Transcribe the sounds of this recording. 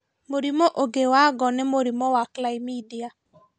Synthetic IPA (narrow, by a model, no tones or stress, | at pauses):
moɾimoʔoɡewaɡɔnemoɾimowaklaimidia